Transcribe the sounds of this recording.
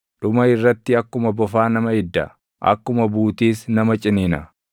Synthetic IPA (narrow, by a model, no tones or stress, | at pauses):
ᶑʊmɐɪrːɐt̪ːɪɐkːʊmɐbɔfaːnɐmɐɪd̪ːɐ̰ | ʔɐ̰kːʊmɐbuːt̪iːsnɐmɐt͡ʃʼɪnɪnɐ